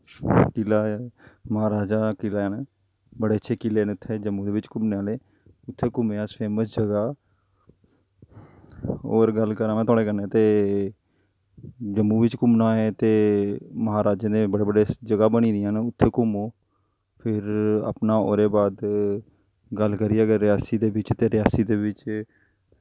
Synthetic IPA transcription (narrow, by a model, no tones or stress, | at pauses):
kɪlaːməɦaːɾaːd͡ʒaːkɪlaːaːne | bəɽeːətːʃʰeːkɪleːnːʊt̪ʰːeːd͡ʒəmːuːd̪eːʋɪt͡ʃkʊmneːaːleː | ʊt̪ʰːeːkʊmeːaːsfeːməsd͡ʒəɡaː | o̰ːɾɡəlkəɾãːmɛ̃ːt̪ʰaːɽeːkəɾnẽːt̪eː | d͡ʒəmːuːʋɪt͡ʃkʊmnaːeːt̪eːməɦaːɾaːd͡ʒãːd̪eːbəɽeːbəɖeːd͡ʒəɡaːbəɽ̃ĩːd̪ɪjãːnʊt̪ʰːeːkʊmoː | pʰɪɾa̰pnãːo̰ːɾeːbaːd̪ | ɡəlkəɾiːəɡəɾːɪjaːsiːd̪eːʋɪt͡ʃt̪eːɾɪjaːsiːd̪eːʋɪt͡ʃ